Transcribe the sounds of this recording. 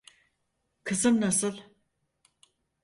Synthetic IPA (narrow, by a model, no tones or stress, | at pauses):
kʰɯzɯmnasɯlˠ